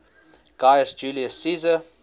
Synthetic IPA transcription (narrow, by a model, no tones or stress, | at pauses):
ɡ̥ajəsd͡ʒuːliəsːiːzə